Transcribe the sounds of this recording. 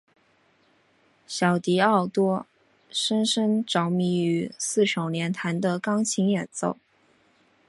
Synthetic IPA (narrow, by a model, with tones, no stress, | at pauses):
ɕjɑ˨˩ʊt̪i˧˥ɑ˥˩ʊt̪wɔ˥ | ʂə˥nʂə˥ŋʈ͡ʂɑ˧˥ʊmi˧˥y˧˥sɹ̩˥˩ʂo˨˩ʊljɛ˧˥nt̪ʰa˧˥nd̪ə˧kɑ˥ŋt͡ɕʰi˧˥ŋjɛ˨˩nt͡so̰˥˩ʊ